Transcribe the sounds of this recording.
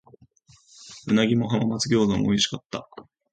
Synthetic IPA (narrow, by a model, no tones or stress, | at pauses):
ɯ̟naɡʲimo̞ɦamamat͡sɨɡʲo̞ːzomoiɕi̥kat̪ːa̰